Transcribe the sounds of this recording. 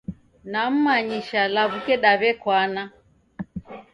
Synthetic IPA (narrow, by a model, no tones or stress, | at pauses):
nam̩maɲiʃalaβukɛɗaβɛkwana